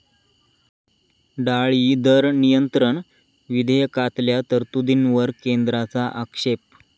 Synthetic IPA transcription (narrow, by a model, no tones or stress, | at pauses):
ɖaɭiːd̪əɾnijənt̪ɾəɳ | ʋid̪ʱəjəkat̪ljat̪əɾt̪ud̪inʋəɾkend̪ɾat͡saʔəkʂep̚